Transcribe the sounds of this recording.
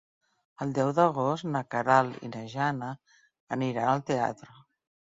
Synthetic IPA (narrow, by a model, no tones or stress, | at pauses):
əlˠd̪ɛwðəɣ̞ost̪nəkəɾalḭnəʒanəː | niɾanəlˠt̪ea̰t̪ɾə